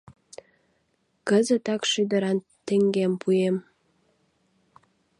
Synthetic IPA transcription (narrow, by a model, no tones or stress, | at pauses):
kəzə̆t̪ɑkʃid̪ə̆ɾɑn | t̪eŋɡʲempʰujem